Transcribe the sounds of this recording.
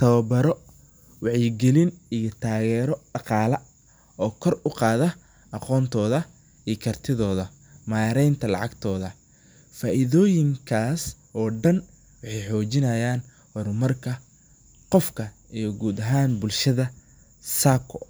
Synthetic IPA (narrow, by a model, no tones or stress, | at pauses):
t̪ʰɐβɐbɐɾɔ | wɑħjɪɡɛlɪnijɔt̪ʰaːɣɛːɾɔɖɑqɑːlɐ | ɔːkʰɔrʊqɑːðɐ | ʔɑqɔːnt̪ʰɔːðɐ | ʔiːkʰɐrt̪ʰɪðɔːðɐ | maːɾɛjnt̪ʰɐlɑ̰ʕɑɡt̪ʰɔːðɐ | faːʔɪðɔːjɪŋkʰaːs | ɔːɖɐn | wɑħɑjħɔːt͡ʃɪnɐjaːn | hɔrmɐrkʰɐ | qɔfkʰɐ | ijɞɡuːd̪ɐɦaːnbʊlʃɐðɐ | saːkʰɔ